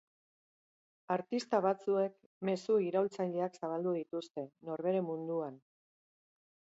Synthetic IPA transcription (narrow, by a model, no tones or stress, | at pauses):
aɾt̪ist̪aβ̞at͡sue̞k | me̞suiɾawlt͡saʎeaksaβ̞ald̪uð̞it̪ust̪e̞no̞ɾβe̞ɾe̞mund̪uan